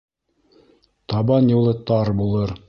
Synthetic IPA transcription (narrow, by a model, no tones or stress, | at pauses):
t̪ɑbɑnjulˠɤt̪ɑɾbulˠɤɾ